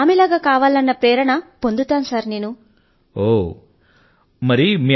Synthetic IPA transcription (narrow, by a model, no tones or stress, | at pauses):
aːmɛlaːɡaːkaːʋaːlɐnːɐpɾeːɾɐɳɐpond̪ut̪aːnsaːɾneːnu | oː | mɐɾimiː